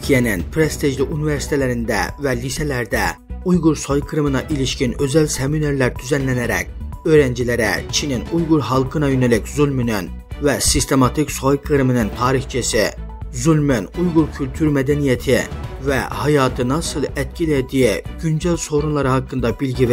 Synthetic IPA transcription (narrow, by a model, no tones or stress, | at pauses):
k̪ʰijɛnɪnpʰɾest̪ʰeʒliʔuniveɾsi̥t̪ʰɛlæɾind̪æ̰vɛlisɛlæɾd̪ɛ | ujʁuɾsojkʰɯɾmɯnɑʔiliʃkʲinøzælsemineɾlæɾd̪̥yzɛnlɛnæɾɛ̰k̚ʲøɾɛnd͡ʒilæɾɛ̰t͡ʃʰininujɣuɾɦɑlˠkʰɯnɑjynælɪkʲzulˠmynyn | vɛsist̪ʰemɑt̪ʰikʲsojkʰɨɾmɨnɨnt̪ʰɑːɾixt͡ʃʰisɪ | zylmynujɣuɾkʲʰylʲt̪ʰyɾmɛd̪ɛnijɛt̪ʰɪvɛ̰hɑjɑːt̪ʰɯnɑsɯlˠɛt̪̚kʲʰilɛd̪iɡ̥ynd͡ʒɛlsoɾunlˠɑɾɯhɑkːɯnd̪ɑbilɡʲi